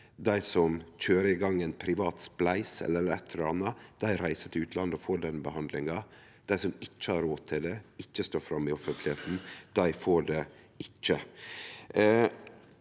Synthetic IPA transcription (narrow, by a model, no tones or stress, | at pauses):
d̪æɪsɔmc͡çøːɾəɪɡɑŋːenpʰɾɪʋɑːt̪splæɪsɛ̰lːəɛlːəɾɛ̰t̪ʰːəɾɔɑnːɑd̪̥æɪɾæɪsət̪ʰɪʉːt̪lɑnd̪ɔfoːɖɛnbəhɑnd̪lɪŋɑ | d̪̥æɪsɔmɪt͡ʃːəhɑɾoːt̪ʰɪld̪ɛɪt͡ʃːəst̪oːfɾɑmːɪɔfənt̪ʰlɪheːt̪n̩d̪̥æɪfoːɖɛ | ɪt͡ʃːə